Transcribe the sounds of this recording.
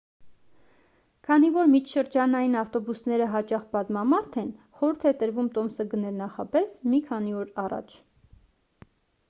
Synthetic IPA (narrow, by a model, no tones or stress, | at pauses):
kʰɑnivɔɾmit͡ʃʰʃəɾd͡ʒɑnɑjinɑft̪ɔbusnɛɾəɦɑt͡ʃɑχbɑzmɑmɑɾt̪ʰɛn̪χɔɾuɾt̪ʰɛt̪əɾvumt̪ɔmsəɡənɛɾnɑχɑpɛsmikʰɑniɔɾɑrɑ̰t͡ʃʰ